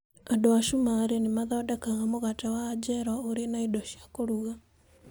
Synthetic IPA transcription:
adoaʃumaɾenemaðɔːdɛkaɣamoɣatawaːd͡ʒɛɾwaoɾenaidoʃiakoɾuɣa

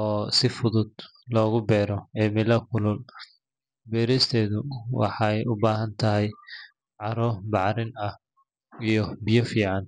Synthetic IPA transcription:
ɔːsɪfʊðʊd̪ | lɔːɣʊbɛːɾɔɛːmɪlɐkʰʊlʊl | bɛːɾɛst̪ʰɛːðʊwɑ̰ħɑjʊbaːɦɐnt̪ʰɐɦɛj | ʕɑɾɔːbɑʕɾɪnɐh | ijɔbɪjɔfiːʕɑn

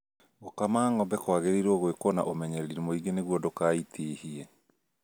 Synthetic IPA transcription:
ɣokamaːŋɔbɛkwaɣeɾeɾɔɣwekɔna̰ʔomɛɲɛɾiɾimoiɡeneɣwɔdokaːitʰeːhiɛ

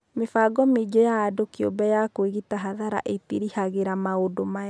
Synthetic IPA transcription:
mefaːɡɔmed͡ʒɔjaːdokiobɛjakweɣitaɦaðaɾa̰ʔetiɾihaɣeɾamaodomaa

